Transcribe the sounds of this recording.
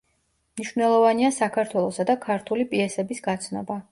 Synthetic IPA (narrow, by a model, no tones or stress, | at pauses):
mniʃvnɛlˠɔvaniasakʰaɾt̪ʰwɛlˠɔsad̪akʰaɾt̪ʰulipʼiɛsɛbisɡat̪sʰnɔ̰ba